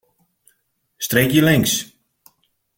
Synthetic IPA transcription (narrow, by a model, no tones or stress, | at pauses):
streːkjəlɪŋs